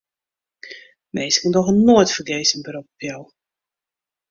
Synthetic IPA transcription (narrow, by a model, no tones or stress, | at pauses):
mejskəndɔxənːoːjtfərɡeːsənbəɾupɔpjaw